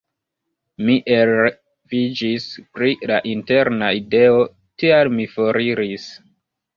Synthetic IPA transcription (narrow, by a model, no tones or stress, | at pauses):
miʔel | vid͡ʒispɾilaʔinte̞ɾnaide̞o̞ | tialmifoɾiɾis